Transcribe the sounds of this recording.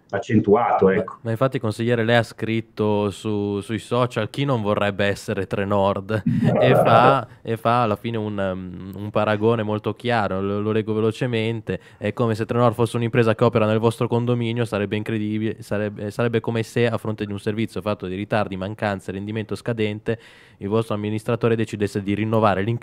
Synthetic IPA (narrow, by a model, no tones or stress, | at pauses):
at͡ʃːent̪uaːt̪oɛkːo̥maiɱfat̪ːikonsiʎːeːɾelɛjaskɾit̪ːosusujsɔt͡ʃalk̟inːoɱvorːɛbːeɛsːeɾet̪ɾenɔrd̪efaefaːlːafiːneunumpaɾaɡoːnemolt̪okjaːɾolololɛːɡːovelot͡ʃement̪e | ɛkːomes̬et̪ːɾenɔrd̪fosːeunimpɾeːzakeɔːpeɾanelvɔst̪ɾokond̪ominjosaɾɛbːeiŋkɾed̪ibiesaɾɛbesaɾɛbːekomeseafːɾont̪ed̪iunservit̪sjofat̪ːod̪iɾit̪ard̪imaŋkant̪saɾend̪iment̪oskad̪ɛnt̪e | ilvɔst̪ɾoamːinist̪ɾat̪oːɾed̪et͡ʃid̪esːed̪irinːovaːɾeliŋ